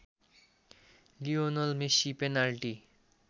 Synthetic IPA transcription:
lionolmeʃipenalʈi

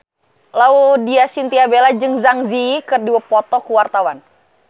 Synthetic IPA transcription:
laudiasint̪iabelad͡ʒɨŋzaŋzikɨrdiwəpɔt̪ɔkuwart̪awan

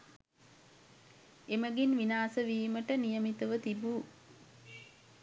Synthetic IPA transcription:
eməɡinʋinaːsəʋiːməʈənijəmit̪əʋət̪ibuː

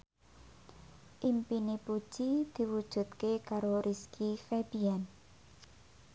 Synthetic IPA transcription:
ʔimpinipu̥ʒ̥id̪̥i̤wud̥ʒ̥ṳt̪kekaɾoɾʔiskifeb̥ian

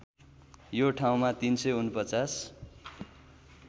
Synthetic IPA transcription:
joʈʰaw̃mat̪insʌjunpʌt͡sas

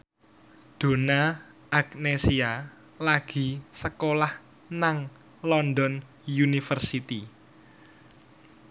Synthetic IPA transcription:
d̪̥o̤na | ʔaknesia | laɡ̥i̤səkolah | naŋ | lɔnd̪ɔn | junifərsit̪i

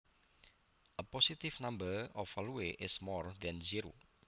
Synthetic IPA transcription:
ʔəpɔsitivnãmbəɔfɔluweʔɪsmɔrd̪ɛ̃nziɾo̰

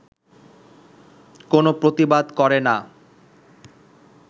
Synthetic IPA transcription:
konopɾot̪ibad̪kɔɾena

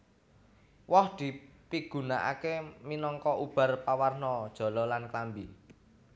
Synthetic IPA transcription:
wɔhd̪̥i̤piɡ̥ṳnaʔa̰keminɔŋkɔʔub̥a̤rpawarnɔd̥ʒ̥ɔ̤lɔlanklambi

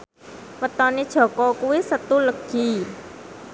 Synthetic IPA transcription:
mət̪ɔned̥ʒ̥ɔ̤kɔkuwisət̪uləɡ̥i

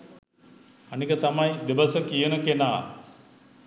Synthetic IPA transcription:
ɐnikət̪amajd̪ebɐsəkijənəkenaː

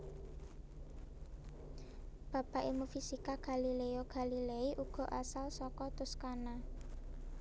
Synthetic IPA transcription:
b̥ä̤paʔemufisikaɡ̥a̤lileoɡ̥a̤lileiʔuɡ̥ɔ̤ʔasalsɔkɔt̪ʊskana

